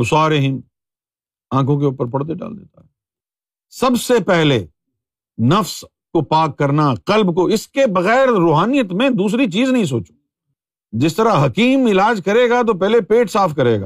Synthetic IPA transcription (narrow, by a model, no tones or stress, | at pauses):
ʊsaːɾeɦɪm | ãːkʰõk̬eʊːpəɾpɐɽd̪eɖa̰ːld̪ḛːt̪aɦɛː | sɐbsepɛɦle | nɐfs | kopaːkːɐɾnaqɐlbkoɪskebɐɣɛːɾɾoːɦaːnijət̪mẽd̪uːs̬ɾit͡ʃiːznɐɦĩs̬oːt͡ʃu̥ | d͡ʒɪst̪ɐɾaɦɐkiːmɪlaːd͡ʒkɐɾeːɡat̪̬op̬ɛɦlepeːʈsaːfkɐɾeːɡa̰ː